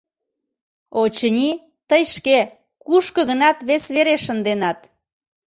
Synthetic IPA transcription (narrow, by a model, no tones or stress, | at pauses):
ot͡ɕənʲi | t̪əjʃke | kuʃkə̆ɣənɑt̪βesβeɾeʃənd̪enɑt̪